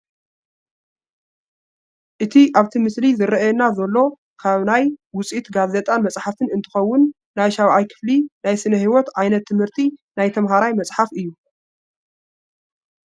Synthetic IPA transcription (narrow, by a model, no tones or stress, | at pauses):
ʔɨt̪ʰiʔaβt̪ʰimɨslizɨɾɐʔjɛnazɐlːo̞ | kʰaβnajwʊt͡sʼit̪ɡazet̪ʼanmɐt͡sʼħafɨnɨnt̪ʰɨ̥xɐwːʊnː | ajʃawʕajkʰɨ̥flinajsɨnɐɦiwot̪ʕajnɐt̪ʰːɨmhɨɾt̪ʰinajt̪ʰɐmɦaɾajmɐt͡sʼħafɨjːu